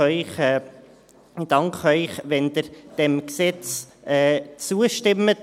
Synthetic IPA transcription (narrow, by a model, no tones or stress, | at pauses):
œʏχɛː | d̥ɑŋkχœʏχʋɛnd̪ɪɾd̥ɛmksɛt͡s | ɛːt͡suəʃtɪmːət